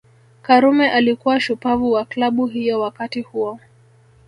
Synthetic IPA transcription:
kaɾumɛʔalikuwaʃupavuwaklaɓuɦijɔwakatihuɔ

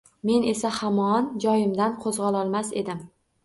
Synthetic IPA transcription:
me̞ne̞sahamɒnd͡ʒɒjɪmd̪anqʰozʁɑlˠɒlˠmase̞̰d̪ɪm

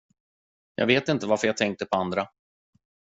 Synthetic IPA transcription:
jɑ̰ːɡveːt̪ɪnt̪əvaɾfəɾjat̪ʰɛŋk̚t̪əpʰɔand̪ɾa

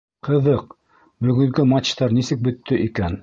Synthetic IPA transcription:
qʰɤ̆ðɤq̚ | bɵ̆ɡɵ̆ŋɡɵmat͡ʃt̪ɑɾnisɘk̚bɵ̆t̪ːɵʔikæn

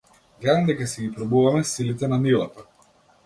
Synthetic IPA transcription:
ɡlad̪amd̪ɛkasiɡipɾabuvamɛsilit̪ɛnamilˠat̪a

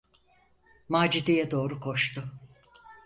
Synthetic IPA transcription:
maːd͡ʒid̪ejɛd̪o̞ːɾukʰo̞ʃt̪ʰʊ

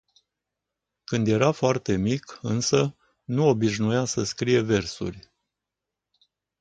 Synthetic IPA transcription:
kɨnd̪je̞ɾafoart̪e̞mikɨnsə | nuo̞biʃnujasəskɾije̞ve̞rsṵrʲ

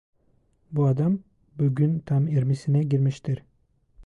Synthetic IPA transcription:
buad̪am | buɟʲynt̪ʰamiɾmisinɛɟiɾmiʃt̪ʰiɾ

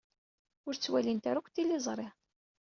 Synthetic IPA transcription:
ʊɾt͡sːwælint̪aɾukʷθilːizˤɾˤeʁ

